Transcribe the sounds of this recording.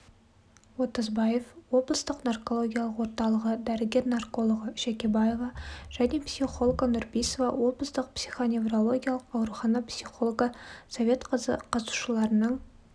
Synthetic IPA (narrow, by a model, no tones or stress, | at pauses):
wo̞t̪əzbɑje̞fwo̞blˠəst̪əqnarko̞lˠo̞ɡʲijaɑlˠəqwo̞ɾt̪ɑlˠəʁəd̪æɾɪɡʲe̞ɾnarko̞lˠoʁəʃækʲe̞bɑjevɑʒ̥æne̞psʲiχo̞lˠɡənʊɾbijsovɑwo̞blˠəst̪əq̚psʲiχo̞nʲe̞vrolˠo̞ɡʲijɑlˠəqɑwɾuχɑnɑpsʲiχo̞lˠoɡəsovʲe̞t̪qzəqʰɑzu̥ʃəlˠɑɾənəɴ